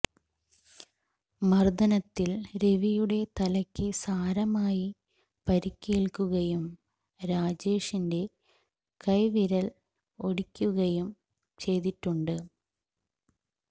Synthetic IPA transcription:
mɐrd̪ɐnɐt̪ːilɾe̞ʋijuɽe̞t̪ɐlɐkʲːɨsaːɾɐmaːji | pɐɾikʲːeːɭkuɣɐjum | ɾaːd͡ʑe̞ːʂinde̞ | kɐjʋiɾɐl | o̞ɽikʲːuɣɐjum | t͡ɕe̞jðiʈːuɳɖɨ

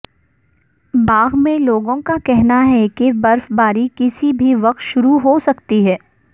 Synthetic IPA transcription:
baːɣmẽloːɡõkakɛɦnaɦɛkebɐɾfbaːɾikɪsibʱiʋɐq̚t̪ʃʊɾuɦosɐkt̪iɦɛː

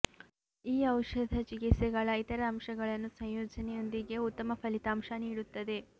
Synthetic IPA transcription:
iːɐwʂɐd̪ʱɐt͡ʃikit̪sɛɡɐɭɐit̪ɐɾɐːmʂɐɡɐɭɐnːusɐ̃ŋ̃joːd͡ʒɐnɛjo̞nd̪iɡe̞ut̪ːɐmɐpʰɐlit̪aːmʃɐniːɽut̪ːɐd̪e̞

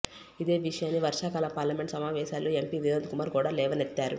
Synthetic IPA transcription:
id̪e̞ːʋiʂɐjaːnːiʋɐɾʂaːkaːlɐpaːɾlɐmeɳʈsɐmaːʋɛːʃaːlːoːempiːd̪iɾɐd̪kumaːɾkuːɽaːlɛːʋɐnet̪ːaːɾu

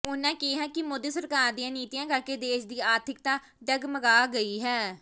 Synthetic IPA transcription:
ʊnãːkiːɦɛːkɪmʊd̪iːsəɾkaːɾd̪ijãːniːt̪ijãːkəɾkeːd̪eːʃd̪iːaːɾt̪ʰɪk̚t̪ãː | ɖəɡməɡaːɡəiːɦɛː

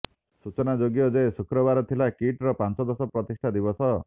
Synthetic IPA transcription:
sut͡ʃɔnad͡ʒoɡjɔd͡ʒesukɾɔbaɾɔt̪ʰilakiʈɾɔpant͡ʃɔd̪ɔsɔpɾɔt̪isʈʰad̪ibɔsɔ

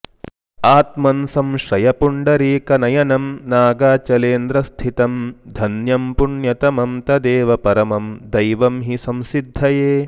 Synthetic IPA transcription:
aːt̪mɐnsɐmʃɾɐjɐpuɳɖɐɾiːkɐnɐjɐnɐmnaːɡaːt͡ʃɐleːnd̪ɾɐst̪ʰit̪ɐmd̪ʱɐnjɐmpuɳjɐt̪ɐmɐmt̪ɐd̪eːʋɐpɐɾɐmɐmd̪ɐjʋɐmɦisɐ̃msid̪ʱːɐjeː

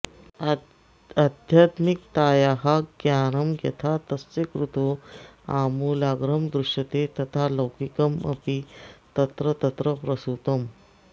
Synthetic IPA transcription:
ad̪ʱjat̪mik̚t̪aːjaɦaɡjaːɾɐmɡɐ̰t̪ʰat̪ɐst͡sekɾut̪oaːmuːlaːɡɾəmd̪ɾuʂjɐt̪et̪ɐt̪ʰaləwkikəmɐ̰pit̪ɐt̪ɾət̪ɐt̪ɾəpɾɐsut̪əm

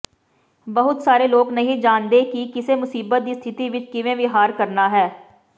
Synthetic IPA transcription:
bəɦʊt̪saːɾeːloːɡnəɦĩːd͡ʒaːnd̪eːkikɪseːmʊsiːbət̪̚d̪iːst̪ʰɪt̪iːʋɪt͡ʃkɪʋẽːʋiɦaːɾkəɾnaːɦɛː

